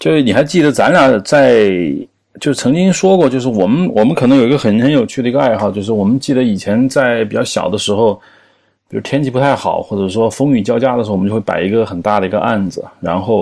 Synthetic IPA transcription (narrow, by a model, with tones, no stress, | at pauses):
t͡ɕjo˥˧ʊʂni˨˩xa˧˥ɪt͡ɕi˥˩d̪ə˩t͡sa˧˥na˨˩t͡sa˥˩ɪ | t͡ɕjo˥˧ʊʂ̩˥˩t͡sʰɤ˧˥ŋt͡ɕi˥ŋʂwɔ˥kwɔ˥˧t͡ɕjo˥˧ʊʂ̬ɻ̩˥˩wɔ˨˩mə˦nwɔ˨˩mə˦nkʰɤ˨˩nɤ˧˥ŋjo˨˩ʊi˧˥ɡə˧xə˨˩nxə˧˥njo˨˩ʊt͡ɕʰy˥˩d̪ə˩˧ɡə˧a˥˧ɪxɑ˥˧ʊt͡ɕjo˥˧ʊʂɻ̩˥˩wɔ˨˩mə˦nt͡ɕi˥˩d̪ə˩i˨˩t͡ɕʰjɛ˧˥nt͡sa˥˩ɪp̬i˨˩t͡ɕjɑ˥˩ʊɕjɑ̰˨˩ʊd̪ə˦ʂɻ̩˧˥xo˥˧ʊ | pi˨˩u˥t̪ʰjɛ˥nt͡ɕʰi˧˥pu˧˥t̪ʰa˥˩ɪxɑ˨˩ʊxwɔ˥˩ʈ͡ʂɤ˨˩ʂwɔ˥fɤ˥ŋny˨˩t͡ɕjɑ˥ʊt͡ɕja˥d̪ə˩ʂ̩˧˥˧o˥˧˥pa̰˨˩i˧˥ɡə˧xə˨˩nt̪a˥˩d̪ə˩i˧˥ɡə̰˧ʔa̰˥˩nd͡zɹ̩˩ɻa̰˧˥nxo˥˩ʊ